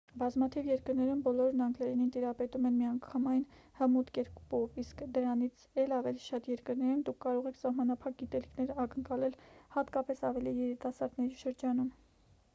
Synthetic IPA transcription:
bɑzmɑt̪ʰivjɛɾkəɾnɛɾumbɔlɔɾnɑŋɡlɛɾinint̪iɾɑpɛt̪umɛnmiɑŋkʰɑmɑjn | həmut̪kɛɾpɔviskd̪əɾɑnit͡sʰɛlɑvɛliʃɑt̪jɛɾkəɾnɛɾumd̪ukʰːɑɾɔʁɛkʰsɑhmɑnɑpʰɑk̚ɡit̪ɛlikʰnɛɾɑkəŋkɑlɛlhɑt̪kɑpɛsɑvɛlijɛɾit̪ɑsɑɾd̪nɛɾiʃəɾd͡ʒɑnum

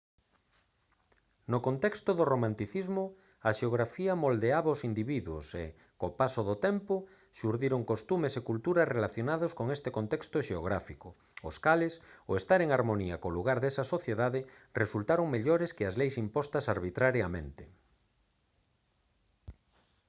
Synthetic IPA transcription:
nokont̪ɛkst̪ʊðoromãnt̪iθizmʊ | ɐʃeoɣɾafiɐmold̪eaβɐosind̪iβiðwʊ̰sḛ | kopasoðot̪empʊ | ʃuɾðiɾoŋkost̪umesekult̪uɾɐsrelaθjonaðoskoŋest̪ekont̪ɛkst̪ʊʃeo̰ɣɾafikʊː | skalesoest̪aɾeŋaɾmoniɐkoluɣaɾðesɐsoθjeðaðɪresult̪aɾoŋmeʎoɾeskɪazlejsimpɔst̪ɐsaɾβit̪ɾaɾjamḛ̃nt̪ɪ

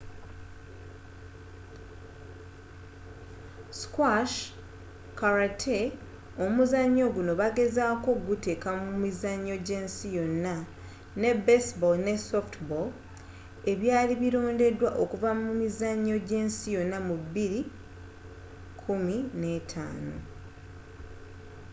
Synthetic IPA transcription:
skwaʃ | kaɾatʰe | o̞muzaɲːo̞ɡuno̞βaɡe̞zaːko̞ɡute̞kamumizaɲːo̞ɟe̞ːnsijo̞nːa | ne̞besbolne̞softbol | e̞βjaːliβiɾo̞ːnde̞dwaʔo̞kuvamumizaɲːo̞ɟe̞ːnsijo̞nːamubːiɾi | kʰumine̞tʰa̰ːno

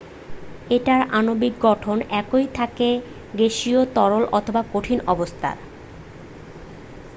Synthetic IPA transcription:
eʈaɾanobik̚ɡɔʈʰonɛkojt̪ʰake | ɡeʃiot̪ɔɾolʔɔt̪ʰobakoʈʰinɔbost̪ʰa̰ɾ

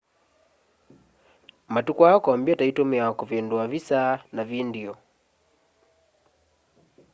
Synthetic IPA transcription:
matukaɔkɔambiataitɔmiaɔkuvɛnduavisanavindiɔ

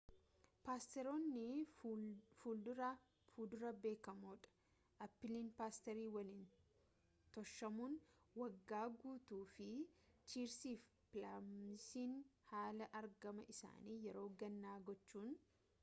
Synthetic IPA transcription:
paːst̪ɛɾo̞ːnːɪ | fuːld̪ʊɾɐ | fuːd̪ʊɾɐbe̞ːkɐmoːᶑɐ̥ | ʔɐpːɪlinpaːst̪ɛɾiːwɐlɪn | t̪ɔʃːɐmuːn | wɐɡːaːɡuːt̪uːfɪt͡ʃiːɾsiːf | pɪlamsiːnhaːlɐʔɐɾɡɐmɐʔɪsa̰ːniːjɛɾo̞ːɡɐnːaːɡɔt͡ʃːuːn

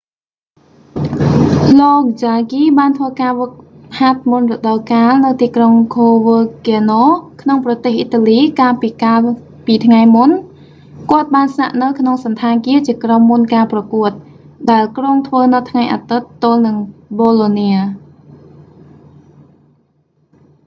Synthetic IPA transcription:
loːk̚d͡ʑaɡiːɓaːnt̪ʰʋəːkaː | hat̪̚munrɔɗɑlkaːlnɨwt̪iːkroŋkʰoːʋəːkiənoːkʰnoŋprɑt̪eːhʔiːt̪aːliːkaːlpiːkaːl | piːt̪ʰŋajmun | kŏət̪̚ɓaːnsna̰ʔnɨwkʰnoŋsɑnt̪ʰaːŋkiət͡ɕiəkromːunkaːprɑkuət̪̚ | ɗaɛlkroːŋt̪ʰʋəːnɨt̪ʰŋajʔaːt̪ɨt̪ːoəlnɨŋɓoːloːniə

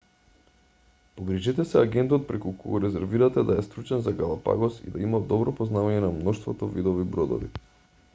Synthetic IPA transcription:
poɡɾiʒɛt̪ɛsɛaɡɛnt̪ɔt̪̚pɾɛkukoɡɔɾɛzɛɾviɾat̪ɛd̪aɛst̪ɾut͡ʃɛnzaɡalˠapa̰ɡɔsḭd̪aimad̪ɔbɾɔpoznavaɲɛnamnɔʃt̪vot̪ɔvid̪ɔvibɾod̪ɔ̰vḭ

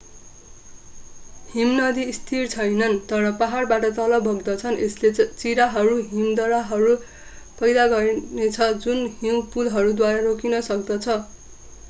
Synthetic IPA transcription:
himnʌd̪ist̪ʰirt͡sʰʌjnʌnt̪ʌɾʌpaɦarbaʈʌt̪ʌlʌbʱʌɡd̪ʌt͡sʰʌneslet͡siɾaɦʌɾuɦimd̪ʌɾaɦʌɾu | pʌjd̪aɡʌrnet͡sʰʌd͡zunɦimpulɦʌɾud̪waɾarokinʌsʌkd̪ʌt͡sʰʌ

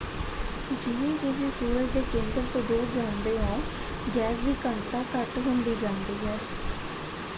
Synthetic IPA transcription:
d͡ʒɪnẽːt̪ʊs̬ĩːsuːɾəd͡ʒd̪eːkẽːnd̪əɾt̪õːd̪uːɾd͡ʒaːnd̪eːɦõː | ɡɛːsd̪iːkəɳt̪aːkəʈɦʊnd̪iːd͡ʒãːnd̪iːɦɛː

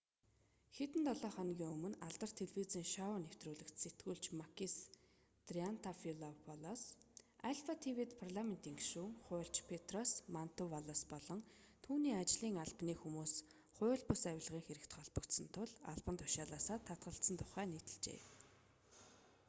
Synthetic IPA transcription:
xet̪ɘ̆nt̪ɔɮɔːχɔnɣʲiːŋɵmɵ̆naɮt̪ə̆r̥t̪ʰːeɮweːt͡siːŋʃɔʊnew̥t̪ruːɮɘ̆kt̪set̪ɡuːɮt͡ɕmakis | t̪rian̥t̪ʰafilɔpʰɔlɔsaɮfat̪ʰiwit̪pʰarɮamen̥t̪iŋkʃuːŋχʊːɬt͡ɕpʰet̪rɔsman̥t̪ʊwaɮɔspɔɮɞ̆ŋ | t̪ʰuːniːat͡ɕɮiːŋaɮpniːxumuːs | χʊ̟ːɮpʊsawʲɪ̆ɮʁiːŋxeɾɘ̆kt̪χɔɮpə̆kt̪sə̆nt̪ʰʊɮa̰ɮpə̆nt̪ʰʊ̥ʃaːɮaːsaːt̪ʰːat̪̚ɢə̆ɬt̪sə̆nt̪ʰʊχæːniːt̪ɘ̆ɮt͡ɕḛː

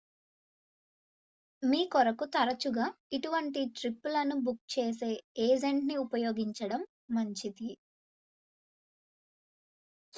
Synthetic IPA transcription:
miːkɔɾɐkut̪ɐɾɐt͡ʃuɡaːiʈuʋɐɳʈiʈɾipːulɐnubuk̚t͡ʃeːs̬e̞ːeːd͡ʒeɳʈniupɐjoːɡiɲt͡ʃɐɽɐmː | ɐɲt͡ʃid̪i

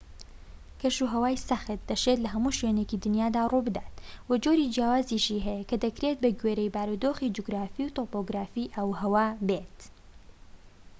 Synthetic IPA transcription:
kʰɐʃuɦɐwaːjsɐxɨt̪̚d̪ɐʃet̪lɐɦɐmuːʃwenecid̪ɨnjaːd̪aːrubɨd̪at̪̚wɐd͡ʒoɾiːd͡ʒjaːwaːziʃiɦɛjɐkɐd̪ɐkɾe̞t̪̚bɐɡɥeɾejbaːɾud̪oːxid͡ʒuɡɾaːfiwt̪opoɡɾaːfiʔɐwhɐwaːbet̪

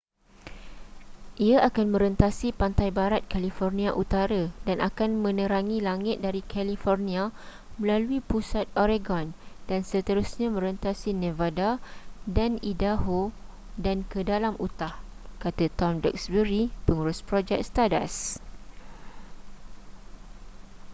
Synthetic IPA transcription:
ʔiaʔakanmə̃ɾənt̪asipant̪ajbaɾat̪̚kalifɔrnĩaʔut̪aɾadanʔa̰kanmə̃nə̃ɾaŋĩlaŋɪt̪̚daɾikʰalifɔrnia | mə̃laluipusat̪̚oɾeɡɔndansət̪əɾusɲãmə̃ɾənt̪asinẽvadadanidaɦo | dankədalamʔut̪ahkat̪at̪ɔmdə̰k̚sbəɾipəŋuɾʊspɾɔd͡ʒɛk̚st̪ada̰s

